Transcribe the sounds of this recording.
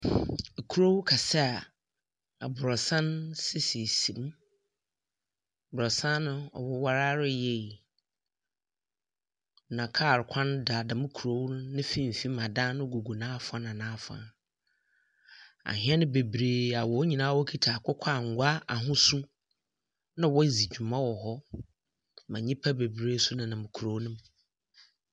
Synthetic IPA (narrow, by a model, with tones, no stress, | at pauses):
kʰu˦ɾo˦wkʰa˨sɛ˦a˨ | a˨bʊ˨ɾɔ˨sã˦nsɪ˦si˨sĩ˨m˦˨ | bʊ˨ɾɔ˨sã˦nʊ̃˦ɔ̰˨wɔ˦wa˦ɾa˦ɾɪ˦jɛ˦˨ | nã˨kʰaː˦˨ɾkʷʰã˦n˦da˨dã˨mʊ̃˦kʰu˨ɾo˦wnɪ̃˦fĩ˦m̩˨fi˦mã˨dã˦nʊ̃˦ɡo˨ɡu˨nãː˦fã˦nã˨nãː˦fã̰˨ | a̰˨ɦɪ̃˦ɛ˦nʊ̃˦be˨bɾeː˨a˨wɔ˨˦ɲĩ˨nãː˦wɔ˦kʰi˦tʰa˨kʰʷʊ˦kʷʰa˦˨ŋ̩˨ɡʷa˦a˨ɦʊ̃˦su˦ | nã˦wɔ˦˨zi˨d͡ʑᶣu˨mã˦wɔ˨ɦɔ˦ | mã˨ɲĩ˦pʰa˦be˨bɾeː˦su˦nã˨nã˨mʊ̃˨kʰu˨ɾo˨˦nʊ̃˦m